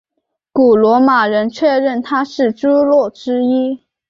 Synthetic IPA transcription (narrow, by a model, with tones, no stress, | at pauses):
ku˨˩lwɔ˧˥ma˨˩ɻə˧˥nt͡ɕʰɥɛ˥˧ɻə˥˩nt̪ʰa˥ʂɻ̩˥˩ʈ͡ʂu˥lwɔ˥˩ʈ͡ʂɻ̩˥i˥